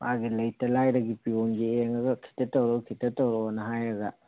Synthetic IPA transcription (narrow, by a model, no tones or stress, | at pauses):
mʔaɡilɐjtɐlajɾɐɡipionɡieŋɐɡɐkʰi̥tɐtɐwɾɐkʰitɐtɐwɾɔɐnɐɦajɾɐɡɐ